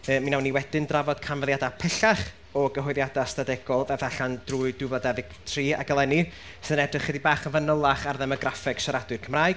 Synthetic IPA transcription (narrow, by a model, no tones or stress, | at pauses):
əːminawnːiwɛd̥ɪndravɔd̥̚kʰanvəðˠjadapʰɛɬaχ | ɔɡəɦɔɨðjadastadɛɡ̥ɔlˠvɛfaɬand̥ruːɨdʊvadɛvɪɡ̥tʰriːa̰ɡəlˠɛni | sɨðənɛdrɪχːədibaːχənvənəlˠaχarðɛmɔɡrafɛɡ̥ʃaɾadwɨrkʰəmraːjɡ